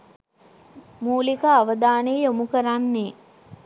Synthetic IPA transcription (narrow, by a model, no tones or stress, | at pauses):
muːlikaːʋəd̪aːneːjomukəɾanːeː